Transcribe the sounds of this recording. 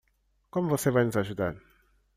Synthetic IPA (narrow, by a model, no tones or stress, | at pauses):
komvosevajnuzaʒud̪an